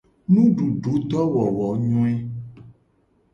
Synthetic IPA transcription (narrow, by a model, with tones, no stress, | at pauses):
nũ˦ɖu˨ɖu˨˦t̪ɔ˦wɔ˨wɔ˨˦ɲɔ̃˦ɛ˦